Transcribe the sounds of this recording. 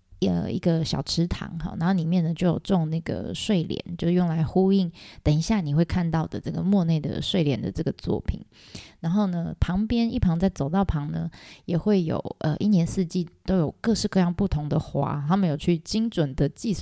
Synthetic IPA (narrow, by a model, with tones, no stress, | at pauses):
ə̰˨˩ḭ˧˥ɡə˨ɕjɑ̰˨˩ʊʈ͡ʂʰɻ̩˧˥t̪ʰɑ̰˧˥ŋxɑ̰˧˩na˧˥nxo˥˩ni˨˩mjɛ˥˩nə˩t͡ɕjo˥˩ʊjo̰˨˩ʊʈ͡ʂo˥˧ŋna˥˩ɡə̰˩ʂwe˥˩ɪljɛ̰˨˦nt͡ɕjo˥˧ʊʂɻ̩˥˩jʊ˥˩ŋla˧˦ɪxu˥i˥˩ŋt̪ə˨˩ŋi˧˦ɕja˥˩ni˨˩xwe˥˧ɪkʰa˥˧nt̪ɑ˥˨˩ʊd̪ə˩ʈ͡ʂɤ˥˩ɡə˩mwɔ˥˧ne˥˩ɪd̪ə̰˩ʂwe˥˩ɪljɛ˨˥nd̪ə̰˨ʈ͡ʂɤ˥˩ɡə˩t͡swɔ̰˥˩pʰḭ˨˩˦n | na˧˦nxo˥˩ʊnə˦pʰɑ˧˥ŋpjɛ˥ni˥˩pʰɑ˧˥ŋt͡sa˥˩ɪt͡so˨˩ʊt̪ɑ˥˩ʊpʰɑ˧˥ŋnə̰˧jɛ˨˩xwe˥˩ɪjo̰˨˩ʊʔə̰˧˨ʔi˥˩njɛ˧˥nsɹ̩˥˧t͡ɕi˥˩t̪o˥ʊjo˨˩ʊkɤ˥˧ʂɻ̩˥˧kɤ˥˧jɑ˥˧ŋpu˥˩t̪ʰʊ˧˥ŋd̪ə˨xwa̰˧˥t̪ʰa˥mə˨njo˨˩ʊt͡ɕʰy˥˩t͡ɕi˥ŋʈ͡ʂwə˨˩nd̪ə˨t͡ɕi˥˧